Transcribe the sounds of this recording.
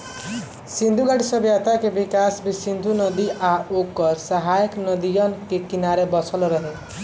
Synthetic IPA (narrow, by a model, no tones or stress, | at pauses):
sind̪ʱuɡaʈisəbjat̪akebikasbisind̪ʱunəd̪iʔaokːɔɾsəɦajəknʌd̪ijɔnkekinaɾebɔt͡ʃʰəlɾəɦe